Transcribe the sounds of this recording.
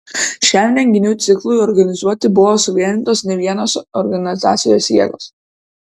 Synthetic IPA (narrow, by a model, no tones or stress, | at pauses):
ʃʲæmʲnʲɛŋʲɡʲɪnʲuːt̪sʲɪklˠʊjɔɾɡɐnʲɪzuɔt̪ʲɪbʊʋoːsʊʋʲiɛnʲɪnt̪oːsnʲɛʋʲiɛnoːsɔɾɡɐnʲɪzɑ̰ːt̪sʲɪjoːsjiɛɡoːs